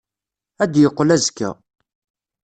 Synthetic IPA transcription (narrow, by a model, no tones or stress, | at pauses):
æd̪jəqːlæzkːæ̰